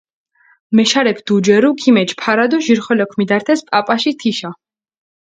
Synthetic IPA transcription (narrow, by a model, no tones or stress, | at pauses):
mɛʃaɾɛkʰd̪̥ud͡ʒɛɾukʰimɛt͡ʃʰpʰaɾad̪ɔʒiɾχɔlɛkʰmid̪aɾt̪ʰɛspʼapʼaʃit̪ʰiʃa